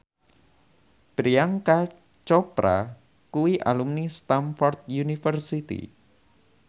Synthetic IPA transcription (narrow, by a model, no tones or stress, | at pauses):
b̥ɾiaŋka | t͡ʃɔpɾa̰ | kuwiʔalumnist̪anfɔrt̪̚junifərsit̪ḭ